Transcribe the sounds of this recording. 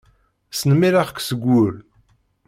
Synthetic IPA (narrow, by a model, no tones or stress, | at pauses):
sənəmiɾaʁkʷːsəɡʷːʊɾ